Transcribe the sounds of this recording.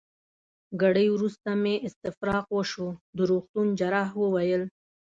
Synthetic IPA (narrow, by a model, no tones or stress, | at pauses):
ɡaɽəjwɾust̪ameʔɪst̪ɪfɾɑqwəʃod̪əɾoxt̪und͡ʒaɾɑɦwəwajəl